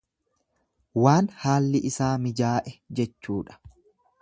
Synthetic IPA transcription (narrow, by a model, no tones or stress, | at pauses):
waːnhaːlːɪʔɪsaːmɪd͡ʒaːʔɛd͡ʒɛt͡ʃːuːᶑɐ̥